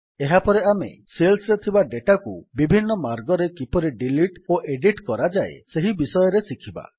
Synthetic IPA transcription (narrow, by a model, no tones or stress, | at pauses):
eɦapɔɾeamḛselsɾet̪ʰibaɖeʈakubibʱinːɔmaɾɡɔɾekipɔɾiɖiliʈoʔeɖiʈkɔɾad͡ʒaḛseɦibisɔjɔɾesikʰiba̰